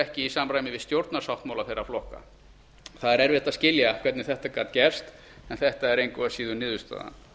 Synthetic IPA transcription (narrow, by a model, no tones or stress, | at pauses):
ɛhcɪisaːmrajmɪvɪðst̪jowɾt̪naɾsawht̪mawlaθejrːaflɔhka̰ | θaðɛɾɛɾvɛht̪aðscɪljakʰvɛt̪nɪθɛht̪akaːt̪cɛr̥st̪ | ɛnθɛht̪aɛɾejŋkvʏasiːðʏnɪːðʏst̪a̰ːða̰n